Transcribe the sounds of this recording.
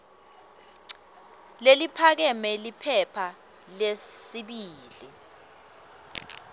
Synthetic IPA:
lelipʰak̬ɛmɛlipʰɛpʰa | lesiɓiːlḭ

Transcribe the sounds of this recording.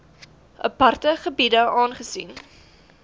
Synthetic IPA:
ʔə̰pɐrtəχəbidəɑːnχəsin

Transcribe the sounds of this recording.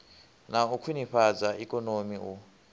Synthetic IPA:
naukʰiniɸad͡zaikʼɔnomiu

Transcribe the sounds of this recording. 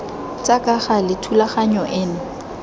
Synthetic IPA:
t͡sʼakʼaχalɪtʰulaχaɲɔʔɪːnʊ

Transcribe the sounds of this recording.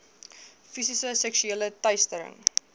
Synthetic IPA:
fisisəsɛksyeːlətɐjstəɾə̰ŋ

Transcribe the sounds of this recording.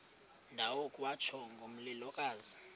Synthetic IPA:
ndʱawokʼwat͡ʃʰɔŋɡʱom̩lilɔkʼaːzi

